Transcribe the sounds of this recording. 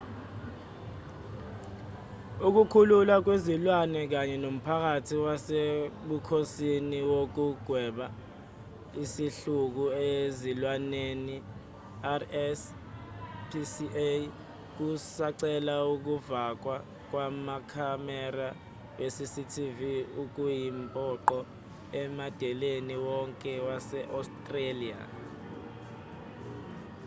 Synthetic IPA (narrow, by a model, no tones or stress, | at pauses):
uk̬ukʰululak̬wezilwanɛk̬aɲɛnom̩pʰak̬atʰiwaseɓukʰosiniwok̬uɡ̥ʱwɛɓa | isiɬuk̬uezilwaneni | arɛs | pʰisiʔe | k̬usaǀɛlauk̬uvak̬wa | k̬wamakʰamɛra | wesisitʰiviuk̬ujimpʼɔǃɔ | ɛmad̥ʱɛleniwɔŋkʼɛwasɛʔastʼrelia̰